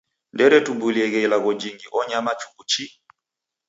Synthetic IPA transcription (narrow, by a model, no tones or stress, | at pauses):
ndɛɾɛtubuliɛɣɛilaɣɔd͡ʒiŋɡiʔɔɲamat͡ʃu̥kut͡ʃi